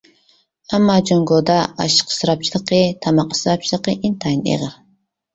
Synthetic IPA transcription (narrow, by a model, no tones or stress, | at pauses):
amːɑd͡ʒoŋɡod̪ɑɑ̰ʃə̥qsɨɾɑp̚t͡ʃʰilˠɨqət̪ʰɑmɑqə̥sɾɑp̚t͡ʃʰilˠəqəʔint̪ʰɑjnḛʁɾ